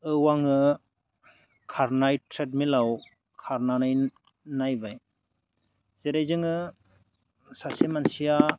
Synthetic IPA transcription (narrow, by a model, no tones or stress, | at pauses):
ɯwaŋɯ | kʰaɾnajtʰɾet̚milaw | kʰaɾnanaj | najbaj | z̥eɾajzɯŋɯ | sasemansija